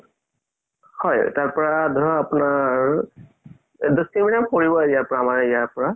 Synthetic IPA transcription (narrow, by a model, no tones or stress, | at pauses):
hɔjtaɹpɔɹad̪ʱɔɹɔɔapunaɹ | dustimiɾamkoɹibɔjaɹpɔɹaːmaɹijaɹpɔɹa